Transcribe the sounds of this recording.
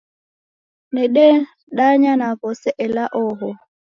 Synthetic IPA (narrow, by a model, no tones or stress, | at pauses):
nɛɗɛ | ɗaɲanakɔsɛʔɛlaʔɔɦɔ